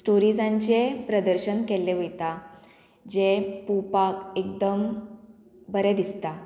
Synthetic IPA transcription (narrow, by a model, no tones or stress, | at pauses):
sʈoɾid͡zãɲt͡ɕepɾəd̪əɾɕənkeleʋit̪a | d͡ʑepupakek̚d̪əm | bəɾed̪ist̪a